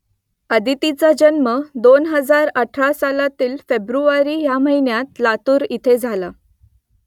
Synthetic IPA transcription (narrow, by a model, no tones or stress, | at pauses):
əd̪it̪it͡sad͡ʑənməd̪onɦəd͡zaɾəʈʰɾasalat̪iːlfebɾuʋaɾiːjam̤əɦinjat̪lat̪uːɾit̪ʰed͡zʱala